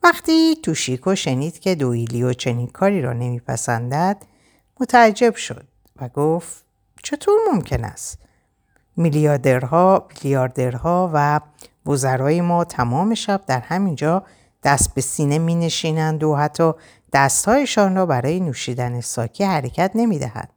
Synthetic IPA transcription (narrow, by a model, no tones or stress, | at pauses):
væxt̪iːt̪ʰuːʃikʰo̞ʃe̞niːd̪cʰe̞d̪oiliot͡ʃʰe̞niːnkʰɒːɾiːɾɒ̰ːne̞miːpʰæ̰sæ̰nd̪æd̪̥ | mo̞t̪ʰææd͡ʒːe̞bʃo̞̰d̪̥̚ | væɡoft̪ | t͡ʃʰe̞t̪ʰoːɾmo̞mcʰe̞næ̰st̪ | miliɒd̪eɾhɒbilijɒːɾd̪e̞ɾhɒːvævozæɾɒːjemɒːt̪ʰæmɒːme̞ʃæb̚d̪æɾhæmind͡ʒɒː | d̪̥æst̪̚be̞siːnemiːne̞ʃiːnænd̪oɦæt̪ʰːɒː | d̪̥æst̪hɒːjeʃɒːnrɒːbæɾɒːjenuːʃiːd̪æne̞sɒːcʰihæɾe̞cʰæt̪ʰne̞miːd̪æ̰hæ̰d̪̥